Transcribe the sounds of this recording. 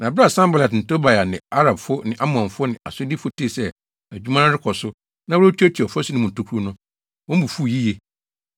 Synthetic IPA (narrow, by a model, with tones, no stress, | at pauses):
nã˨bɾa˦˨sã˦mba˨lɛ˨tn̩˨to˦ba˨a˨nɪ̰̃˨a˦ɾa˨bfʊ˦nɪ̃˨ʔa˦mʊ̃˨ã˨nfʊ˦ʊ˦nɪ̃˨a̰˨sʊ˦di˦fʊ˦tʰi˦˨sɛ˦ | æ˨d͡ʑᶣu˦mã˦ñ˦ɾɪ˦kʰɔ˨sʊ˦ | nã˦wʊ˦ɾa˦tʰᶣɛ˦tʰi˨ɔ˨fɔ˦si˦nɪ̃˦mʊ̃˨n̩˨tʰo˦kʰu˦u˦nʊ̃˦ | wɔ̃˦m̩˦bu˨fu˦˨ji˦je˦